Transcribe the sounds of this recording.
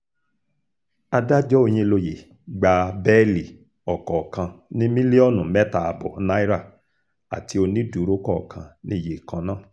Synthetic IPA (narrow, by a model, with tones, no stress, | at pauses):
a˧da˦d͡ʒɔ˦o˧j̃ĩ˧lo˧je˨ | ɡ͡ba˧bɛ˦li˨ | ɔ˨kɔ˨kʰã˧nĩ˦mĩ˦li˦ɔ˦˨nũ˨mɛ˦ta˨a˨bɔ̰˨˦na˦i˦ɾa˦˨ | a̰˨tʰi˧o˧nĩ˦du˨˦ɾo˦kɔ˦˨kʰã˧nĩ˦˨je˨kã˧nãː˦˨